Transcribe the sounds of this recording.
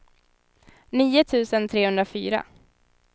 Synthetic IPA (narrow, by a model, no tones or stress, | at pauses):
niːʊt̪ʰʉ̟ːsənt̪ʰɾeːhɵnd̪ɾafy̰ːɾa̰